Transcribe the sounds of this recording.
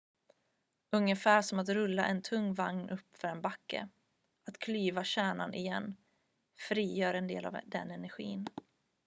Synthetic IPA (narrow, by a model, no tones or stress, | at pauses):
ɵŋːəfæːʂɔmat̪ɾɵlːaʔɛnt̪ʰɵŋːvaŋnʔɵpːfœɾɛnbakːə̰ | at̪kʰlyːvaɕæːɳanʔɪjɛ̰nː | fɾiːjœːɾɛnd̪ḛːla̰vd̪ɛ̰nɛnæɾɧḭːn